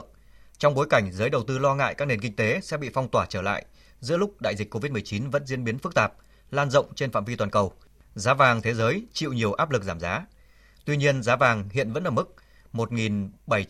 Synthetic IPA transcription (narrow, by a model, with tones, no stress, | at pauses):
t͡ɕɔ˧wŋ͡mɓo˨˦jka˧˩jŋ̟zəː˨˦jɗə˨˩wt̪ɨ˧lɔ˧ŋa̰ː˧˨jkaː˦˥k̚ne˨˩nk̬i˧ŋ̟t̪e˨˦sɛ̰˧˥ɓḭ˧˨fɔ˧wŋ͡mt̪waː˧˩t͡ɕəː˧˩la̰ː˧˨jʔ | zɨ̰˧˥əlʊ˦˥k͡p̚ɗa̰ː˧˨jzï˨˩k̟kːo˧vi˦˥t̚m˨˩ə˩jt͡ɕi˨˦nvə̰˧˥nzi˧ənɓi˨˦ənfɨ˦˥k̚t̪aː˨˩p̚ | laː˧nzə̰˧˨wŋ͡mt͡ɕe˧nfa̰ː˧˨mvi˧waː˨˩nkə˨˩w | zaː˨˦vaː˨˩ŋt̪ʰe˨˦zəː˨˦jt͡ɕḭ˧˨wɲi˨˩əwʔaː˦˥p̚lɨ˨˩k̚zaː˧˩mzaː˨˦ | t̪wi˧ɲi˧ənzaː˨˦vaː˨˩ŋhḭ˧˨ənvə̰˧˥nʔəː˧˨˩mɨ˦˥k̚ | mo˨˩t̚ŋi˨˩nɓə˧˩j